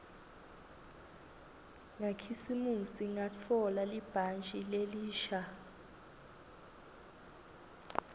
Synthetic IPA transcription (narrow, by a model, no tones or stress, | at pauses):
ŋakʰisimusiŋat͡fʰɔlalib̥ʱant͡ʃʼileliːʃa